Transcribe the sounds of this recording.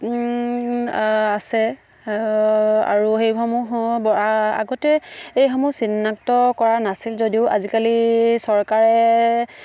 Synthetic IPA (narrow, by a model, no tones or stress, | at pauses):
asɛ | a̰ɹuxejɦɔmubɔaa̰ɡɔtɛejɦɔmusinːaktɔkɔɹanasilzodiʊʔa̰zikalisɔɹkaɹɛ